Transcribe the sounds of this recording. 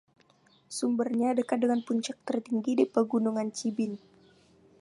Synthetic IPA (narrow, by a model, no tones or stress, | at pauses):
sumbərɲadəkat̪̚dəŋanpuɲt͡ʃak̚t̪ərt̪iŋɡidipəɡunuŋant͡ʃibɪn